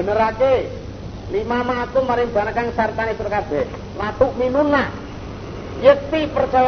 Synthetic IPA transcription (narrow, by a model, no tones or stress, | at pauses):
ənəɾake | limamat̪umaɾɪŋb̥a̤nakaŋsart̪anesuɾkab̥ɛh | lat̪ʊʔminuna | jət̪ipərt͡ʃa